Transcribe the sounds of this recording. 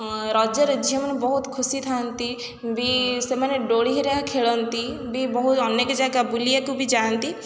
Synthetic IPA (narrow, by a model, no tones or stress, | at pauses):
ɾɔːd͡ʒəɾd͡ʒijəmnbɔɦʊt̪kʰʊsit̪ʰaːnt̪i | biseməneɖoːɽiɦiɾɛakʰeːɭənt̪i | bibəɦʊt̪ɔnːekd͡ʒaɡabʊlijakubʱid͡ʒaːnt̪iː